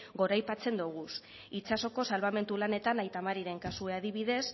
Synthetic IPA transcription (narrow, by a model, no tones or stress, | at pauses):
ɡo̞ɾajpat͡se̞nd̪uɣ̞us | it͡ʃaso̞ko̞salβame̞nt̪ulane̞t̪anajt̪amaɾiɾe̞ŋkasue̞aðiβ̞iðe̞s